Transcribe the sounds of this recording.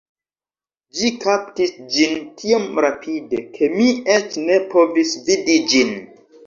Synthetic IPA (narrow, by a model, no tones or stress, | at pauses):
d͡ʒikaptisd͡ʒintʰiomɾapʰide̞kʰe̞miet͡ʃne̞po̞visvidid͡ʒin